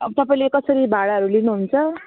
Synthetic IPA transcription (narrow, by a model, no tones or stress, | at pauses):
t̪ʌpaĩlekʌsʌɾibʱaɽaɦʌɾulinuɦunt͡sʰʌ